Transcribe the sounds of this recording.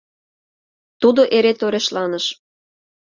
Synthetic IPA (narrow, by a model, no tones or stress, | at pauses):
t̪ud̪oʔeɾet̪oɾeʃlɑnəʃ